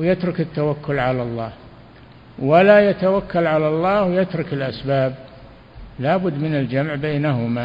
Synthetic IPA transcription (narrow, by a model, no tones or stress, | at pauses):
wjɪt̪ɾʊkɪt̪ːawakːʊlʕalalˤːɑːh | walajat̪awakːalʕalalˤːɑːhwjɪt̪ɾʊkɪlʔasbaːb̚ | laːbʊd̪ːmɪnald͡ʒamʕbejːnaɦʊma